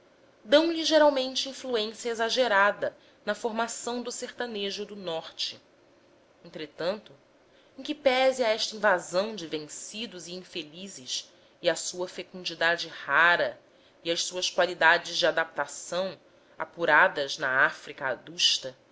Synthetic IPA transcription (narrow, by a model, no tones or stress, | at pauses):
d̪ɐ̃w̃liʒeɾawmẽnt͡ʃɪĩfluẽsjɐezaʒeɾad̪ɐ | nɐfoɾmasɐ̃w̃d̪ʊseɾt̪ɐneʒʊd̪ʊnɔɾt͡ʃɪ | ẽnt̪ɾet̪ɐ̃nt̪ʊ | ẽŋ̃kɪpɛziaɛʃt̪ɐĩvazɐ̃w̃d͡ʒɪvẽŋsid̪ʊziĩfelizɪʃ | ɪɐsuɐfekũd͡ʒid̪ad͡ʒɪhaɾɐ | iɐʃsuɐskwalid̪ad͡ʒɪzd͡ʒɪad̪ap̚t̪asɐ̃w̃ | a̰puɾad̪ɐznɐafɾikɐa̰d̪uʃt̪ɐ